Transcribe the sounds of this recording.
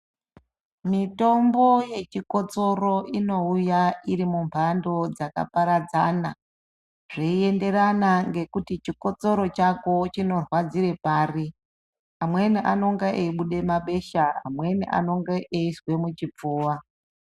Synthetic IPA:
mito̞mboje̞t͡ʃiko̞t͡so̞ro̞ʔino̞ujaiɾimumpʰando̞d͡zaka̰paɾad͡zana̰ | ʐ̥eie̞nde̞ɾanaŋɡe̞kutit͡ʃiko̞t͡so̞ɾo̞t͡ʃako̞t͡ʃino̞rwad͡zire̞paːri | amwe̞niʔa̰no̞ŋɡeʔeiɓuɗe̞maɓe̞ʃaa̰mwe̞niʔa̰no̞ŋɡeʔeiswe̞mut͡ʃip͡fuːwa

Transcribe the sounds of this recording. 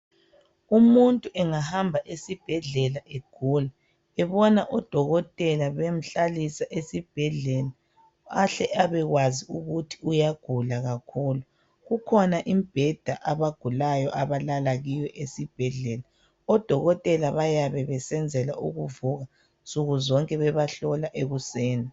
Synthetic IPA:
umuntʼuʔɛŋahambʱaʔesib̥ʱɛɮɛlaʔeɡ̥ʱula | ɛβɔnaʔɔd̥ʱɔɣɔtʼɛlaβem̩ɬalisaʔesib̥ʱɛɮɛla | aɬɛʔaβɛɣwaziuɣutʰi̥ujaɡ̥ʱulaɣakʰuːlu | ɣukʰɔnaʔimb̥ʱɛd̥ʱaʔaβaɡ̥ʱulajɔʔaβalalaɣiwɛʔesib̥ʱɛɮɛla | ɔd̥ʱɔɣɔtʼɛlaβajaβɛβɛsɛnd͡zʱɛlaʔuɣuvuɣa | suɣuzɔŋkʼɛβɛβaɬɔlaʔeɣusɛːnɛ

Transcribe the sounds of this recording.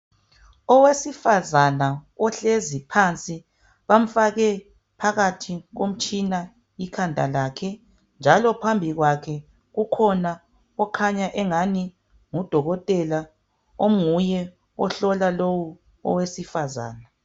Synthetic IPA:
ɔwesifazanaɔɬezipʰant͡sʼi | βam̩faɣɛ | pʰaɣatʰiɣom̩t͡ʃʼina | jikʰandʱa̰lakʰɛ | nd͡ʒʱalɔpʰambʱiɣwakʰɛ | ɣukʰɔna | ɔkʰaɲaʔɛŋani | ŋud̥ʱɔɣɔtʼɛla | om̩ujɛ | ɔɬɔlalowu | ɔ̰wesifaza̰ːna

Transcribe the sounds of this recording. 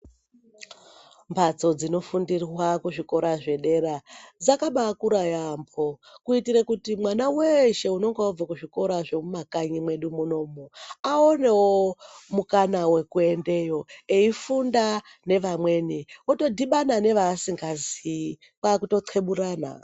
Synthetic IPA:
mbʱat͡so̞d͡zino̞fundirwakuʐiko̞ɾaʐe̞ɗe̞ɾad͡zakaɓakuɾajambʰo̞kuitiɾekutimwanaweʃe̞uno̞ŋɡaub͡vakuʐiko̞ɾaʐo̞mumakaɲimwe̞ɗumuno̞muaone̞womukanawe̞kue̞nde̞jo̞eifunda | ne̞ʋamwe̞nioto̞diɓanane̞ʋaːsiŋɡazi | kakuto̞ǀʰwe̞ɓuraːna̰

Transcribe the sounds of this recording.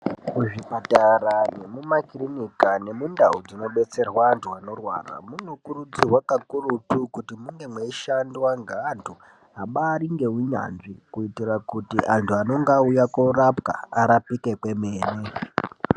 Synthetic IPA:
muʐipataɾane̞mumakirinikane̞mundaud͡zino̞ɓe̞t͡se̞rwaːntʰuano̞rwa̰ːra̰muno̞kurud͡ziwakakurutukutimuŋɡe̞mweiʃandwaŋɡaːntʰu | ɦaɓaːɾiŋɡe̞wuɲa̰nʐikuitirakutiʔantʰuano̞ŋɡaujakorapka̰aɾapikekwe̞me̞ːne

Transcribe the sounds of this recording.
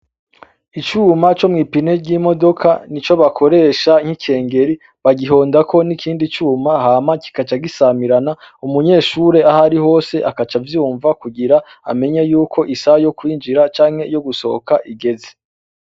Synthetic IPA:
it͡ʃuːmat͡ʃo̞mŋiːpineɾɟiːmo̞do̞kʰa̰nit͡ʃo̞βakʰo̞ɾe̞ːʃaŋ̥ike̞ːŋɡe̞ɾi | βaɡiɦo̞ːndakʰo̞nikʰiːndit͡ʃuːmaɦaːmaci̥kat͡ʃaɡisamiɾana | umuɲeːʃuɾe̞ahaɾiho̞ːse̞ʔakat͡ʃavjuːɱvakuɡiɾa | a̰me̞ɲejuːko̞ʔisajo̞kwiːnd͡ʒiɾat͡ʃaːŋ̥he̞jo̞ɡuso̞̰kaʔiɡe̞ze̥

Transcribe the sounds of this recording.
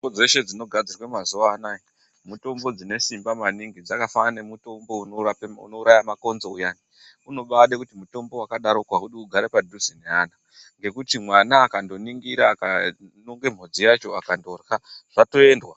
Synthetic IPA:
od͡ze̞ʃe̞d͡zino̞ɡʱad͡zirwemazuʋaːnaji | muto̞mbo̞d͡zine̞simbamaniŋɡid͡zakafaanemutombo̞uaṵno̞uɾajamako̞nzo̞ujaːni | uno̞ɓaɗekutimuto̞mbo̞wakaɗaɾokwakuɗiuɡʱaɾepadʱuzineana | ŋɡe̞kutimwanaːkando̞niŋɡiɾaːka | noŋɡe̞m̤o̞d͡zijat͡ʃo̞akandorɣaʐ̥ato̞e̞ːndwa

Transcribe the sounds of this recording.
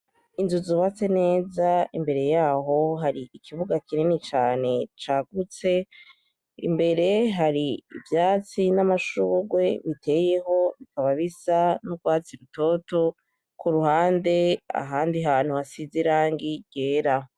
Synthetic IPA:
inzuzuβat͡se̞ne̞ːzaimbe̞ɾe̞jaːɦo̞ɦaɾiikʰiβuɡakiɾinit͡ʃaːne̞t͡ʃaːɡ̥ut͡se̞ | ḭmbe̞ɾe̞ɦaɾiḭvjaːt͡sinamaʃuɡwe̞βitʰe̞je̞ho̞βikaβaβisanuɡwaːt͡siɾuto̞to̞ | kuɾuhaːnde̞a̰ɦaːndiɦaːn̥huasiziɾaːŋɡiɟ̥e̞ːɾa

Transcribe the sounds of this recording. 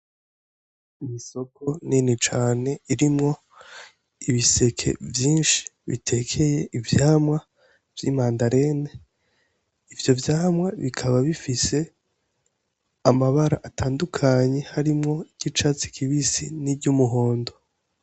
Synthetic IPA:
imiso̞ko̞ninit͡ʃaːne̞iɾimŋo̞ | iβise̞kʰe̞̰vjiːnʃi̥βḭtʰe̞kʰe̞je̞ʔivjaːmŋa | vjḭmaːndaɾe̞ne | ivjo̞vjaːmŋaβikʰaβaβifise̞ | amaβaɾaʔatʰaːndukʰaɲe̞haɾimŋo̞iɟit͡ʃat͡si̥kʰiβisinibɟumuɦo̞ːndo

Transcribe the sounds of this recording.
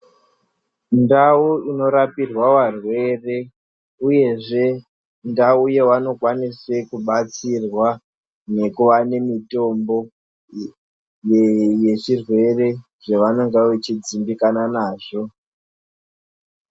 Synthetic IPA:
ndauino̞ɾapirwaʋarwe̞re̞ | uje̞ʐe̞ | ndauje̞wano̞kwaniswe̞kuɓat͡sirwa | ne̞kuʋane̞mito̞mbo̞ | jje̞ʐirwe̞re̞ | ʐ̥eʋano̞ŋɡeʋet͡ʃid͡zimbikananaːʐo̞

